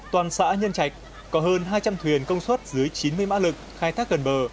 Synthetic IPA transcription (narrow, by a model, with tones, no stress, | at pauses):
t̪waː˨˩nsa̰ː˧˥ɲə˧nt͡ɕa˨˩jk̟̚ | kɔ˨˦ɦəː˧nɦaː˧jt͡ɕa˧mt̪ʰwi˨˩ənkə˧wŋ͡mswə˦˥t̚zɨ˨˦əjt͡ɕi˨˦nmɨ˧əjma̰ː˧˥lɨ˨˩k̚xaː˧jt̪ʰaː˦˥k̚ɣə˨˩nɓəː˨˩